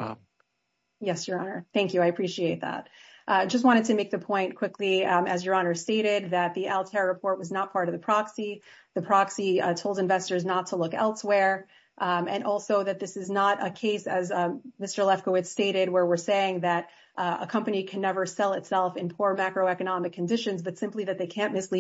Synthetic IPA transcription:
jɛsjə˞ɑnə˞θæ̃ŋkjʉaɪɨpʰɹ̥iʃieɪt̪̚ðæ̰t̚ʔd͡ʒʌst̚wɑ̃ɾ̃ɨd̚tʰɨmeɪk̚ðɨpʰɔ̃ɪ̃nkʰw̥ɪkliɨzjə˞ɑnə˞steɪɾɪd̪̚ðɨt̪̚ðiʔɛlˠtʰɛɹɹɨpʰɔɹt̚wʌznət̚pʰɑɹɾʌvðɨpʰɹ̥ɑksiðɨpʰɹ̥ɑksitʰoʊlˠdɨ̃ɱvɛstə˞znətʰəlʊkɛ̰lˠswɛɹ | ʔɨ̃nʔɔlˠsoʊðɨt̪̚ðɪsɨznəɾəkʰeɪsɨzmɪstə˞lɛfkəwɨtsteɪɾɪd̚wə˞wɪɹseɪɪ̃ŋðɨɾ | ə̰kʰʌ̃mpɨñikʰɨ̃nːɛvə˞sɛlˠɨtsɛlˠfɨ̃npʰʊɹmakɹoʊɛkɨnɑmɨkʰːɨ̃n̩dɪʃɨ̃nzbʌtsɪ̃mpliðɨt̪̚ðeɪkʰæ̃nmɨsli

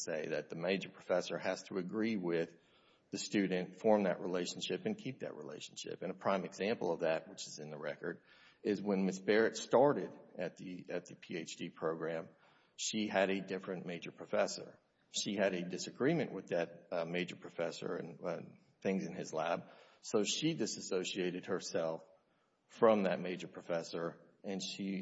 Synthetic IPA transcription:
seɪðɨt̪̚ðɨmeɪd͡ʒə˞pʰɹ̥əfɛsə˞hɨz̥tʰəɨɡɹiwɪð | ɨstʉdⁿn̩tfɔɹmðɨ̰ʔɹʔileɪʃn̩ʃɪpɨ̃nkʰip̚ðɨ̰ʔ̚ɹḭlḛɪʃn̩ʃɪ̰pɨ̃ñəpʰɹ̥ãɪ̃mɨɡz̥æ̃mpl̩ˠʌvðɨt̚wət͡ʃɨzɨ̃nðɨɹɛkə˞ɾ | ɪzwə̃nmɪsb̥ɛɹɨtstɑɹɾɪɾɨt̪̚ðiɨt̪̚ðɨpʰieɪt͡ʃd̥ipʰɹ̥oʊɡɹæ̃m | ʃiɨɾɨdɪfɹɨ̃nmeɪd͡ʒə˞pʰɹ̥ɨfɛsə̰˞ | ʃiɨɾɨdɨsɨɡɹimɨ̃nʔwɨðɨt̚meɪd͡ʒə˞pʰɹ̥ɨfɛsə̰˞ɨ̰̃n | θɪ̃ŋzɨ̃nɨzlæb̥̚soʊʃidɪsɨsoʊʃieɪɾɨd̚hə˞sɛlˠf | fɹʌ̃mðɨt̚meɪd͡ʒə˞pʰɹ̥ɨfɛsə˞ | ɨ̃nʃi

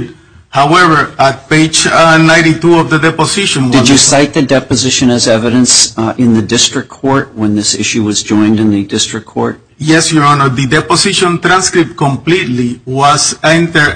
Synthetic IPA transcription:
hawɛvə˞at̪̚peɪd͡ʒnãj̃ntit̪uɔvðədɛposiʃɔ̃ndɨd͡ʒɨsaɪt̪̚ðɨdɛpɨzɪʃɨ̃nɨzɛvɨɾɨ̃nsɪ̃nðɨdɪstɹ̥ɨk̚kʰːɔɹt̚wə̃nðɪsɪ̰ʃʉwʌzd͡ʒɔ̃ɪ̃ndɨ̃nðɨdɪstɹ̥ɨk̚kʰɔɹt̚ | jɛsjuõnoðɨdɛposiʃɔ̃nt̪ɾãnskɾip̚t̚kɔ̃mplit̪liwasɛ̃nt̪ə˞

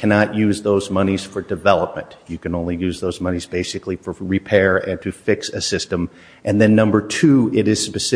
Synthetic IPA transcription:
kʰænɑʔjʉzðoʊzmʌniz̥fə˞dɨvɛlˠəp̚mɨ̰̃nʔjɨkɨ̃nõʊ̃nlijʉzðoʊzmʌnizbeɪsɨklifə˞ɹipʰɛɹɨ̃ntʰɨfɪksɨsɪstə̃m | ʔɨ̃nðɨ̃nːʌ̃mbə˞tʰʉɪɾɪz̥spɨsɪ

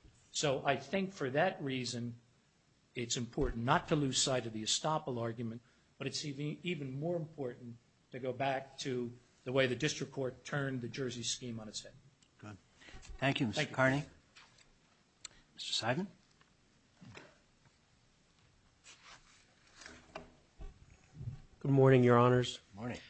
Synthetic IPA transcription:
soʊʔaɪθɪ̃ŋkfə˞ðɨt̚ɹizɨ̃n | ɪtsɨ̃mpʰɔɹʔn̩nətʰəlʉz̥saɪɾʌvðiɨstɑpl̩ˠɑɹɡjmɨ̃n | b̥ʌɾɨtsivɨ̃nmɔɹɨ̃mpʰɔɹʔn̩ | tʰɨɡoʊbæk̚tʰɨ | ðəweɪðɨdɪstɹ̥ɨkʰɔɹtʰɜ̃˞nðɨd͡ʒɜ˞ziskĩmə̃nɨtshɛd̥̚ | ɡ̥ʊd̥̚ | θæ̃ŋkjʉmθæ̃ŋkjkʰɑɹni | mɪstə̥˞saɪvə̃n | ɡ̥ʊd̚mɔɹnɪ̃ŋjə˞ɑnə˞z̥ñŋ

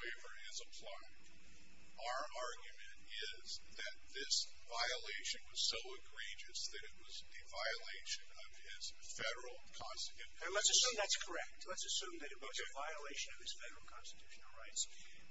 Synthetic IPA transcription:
eɪvə˞ɪzəpʰl̥aɪ̃ŋ | ʔaʊə˞ʔɑɹɡjɨmɨ̃nt | ɪ | z | ðɨt̪̚ðɪs | vaɪɨleɪʃɨ̃nwʌz̥soʊɨɡɹid͡ʒɨsðɨɾɨt̚wʌzðɨvaɪɨleɪʃɨ̃nʌv̥ɪz̥ | fɛɾə˞l̩ˠkʰɑ̃nstɨtʰʉ̃ | lətsɨsʉ̃mðætskʰə˞ɛk̚tʰlətsɨsʉ̃mðɨɾɨt̚wʌzɨvaɪəleɪʃɨ̃nʌv̥ɨz̥fɛɾə˞l̩ˠkʰɑ̃nstɨ̥tʰʉ̥ʃɨ̃nl̩ˠɹaɪts

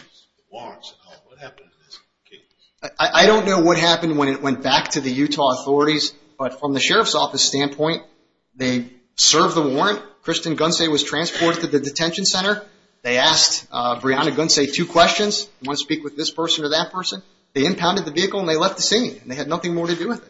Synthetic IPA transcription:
wɔɹ̃ns | wʌt̚hæpn̩n̩ðɪs | kʰeɪ | ʔaɪʔaɪɾõʊ̃nːoʊwʌt̚ɦæpɨ̃n̩d̚wə̃ñɨʔ̚wɛ̃nb̥æk̚tʰɨðɨjʉtʰɔəθɔɹɨɾiz | b̥ʌtfɹʌ̃mðɨʃɛɹʌv̥sɔfɨsstæ̃npʰɔ̃ɪ̃n | ðeɪ | sɜ˞vðəwɔɹɨ̃ntkʰɹ̥ɪstɨ̃nɡʌ̃nseɪwʌz̥tʰɹ̥æ̃nspʰɔɹɾɨd̚tʰɨðɨdɨtʰɛ̃nʃɨ̃n̩sɛ̃ɾ̃ə˞ | ðeɪæskbɹiɑ̃nɨɡʌ̃nseɪtʰʉkʰw̥ɛst͡ʃɨ̃nz̥wʌ̃nɨ̥spikwɨðɪspʰɜ˞sɨ̃nə˞ðɨt̚pʰɜ˞sɨ̃n | ðeɪɨ̃mpʰãʊ̃ndɨd̪̚ðɨviɨkl̩ˠə̃nðeɪlɛft̪̚ðɨsĩŋɨ̃n̩ðeɪɨdⁿnʌθɪ̃ŋmɔɹɾɨdɨwɨðɪt̚

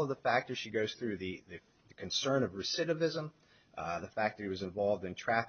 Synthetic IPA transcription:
lˠʌvðəfæk̚tə˞z̥ʃiɡoʊz̥θɹʉðɨðɨ | ðɨkʰɨ̃n̩sɜ̃˞nʌvɹɨsɪɾɨvɪzə̃m | ðəfæk̚ðɨɾɨt̚wʌzɨ̃ɱvɑlˠvdɨ̃ntʰɹ̥æf

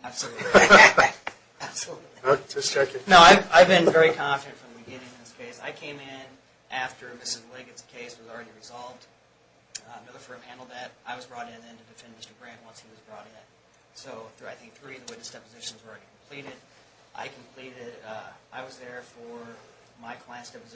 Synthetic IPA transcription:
æb̥səl | æb̥səlutˡd͡ʒʌst͡ʃʰɛkɪ̃ŋnoʊaɪvaɪvbɨ̃nvɛɹikʰɑ̃ɱfɨɾɨ̃ntfɹʌ̃mðɨbɨɡɪ̃nɪ̃ŋn̩ðɪskʰeɪsa̰ɪkʰẽɪ̃mɪ̃n | ʔæftə˞mɪsɨzleɡɨtskʰeɪswʌzl̩ˠɹɛɾiɹɨzɑlˠvd̥ | mɪlˠə˞fɜ˞mhæ̃ndl̩ˠd̪̚ðɨɾʔaɪwʌzbɹɔɾɪ̃nɨ̃ntʰɨdɨfɛ̃nmɪstə˞ɡɹæ̃nʔ̚wʌ̃nshiwʌzbɹɔɾɪ̃n | soʊθaɪθɪ̃ŋk̚θɹiʌvðəwɪðɨsd̥ɛpəzɪʃn̩zəɹɛɾikʰm̩pʰl̥iɾɪd | ʔa̰ɪkʰm̩pʰl̥iɾɪɾʔaɪwʌzðə˞fə˞ | maɪkʰl̥aɪɨ̃nsd̥ɛpɨz

